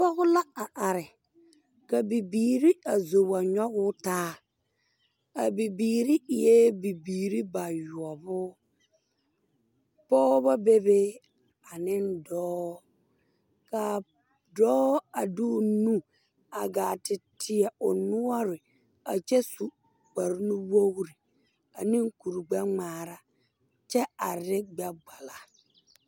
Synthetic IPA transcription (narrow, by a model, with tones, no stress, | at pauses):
pɔ˦ɣʊ˦la˦a˨ʔa˨ɾɪ˨ | ka˨bi˨biː˨ɾi˦a˨zo˨ba˨ɲɔ˦ɣʊ˦taː˦ | a˨bi˨biː˨ɾi˦˨je˦bi˨biː˨ɾi˦ba˨ju˨ɔ˨bʊ˦ | pɔː˦bɔ˦be˦be˦ | a˨nɪ˦ndɔː˦ | ka˨ | dɔː˦a˨du˦˨nũ˦ | a˨ɡa˨tɪ˨tʰɪ˨ɛ˨ʊ˨nu˦ɔ˦ɾɪ˨ | a˨t͡ʃɛ˦su˨ | k͡pa˨ɾnu˦wo˦hɾi˨ | a˨nɪ˦ŋku˨ɾɡ͡ba˦ŋ͡maː˨ɾa˦ | t͡ʃɛ˦a˨ɾɪ˦ɡ͡ba˦ɡ͡ba˨la˨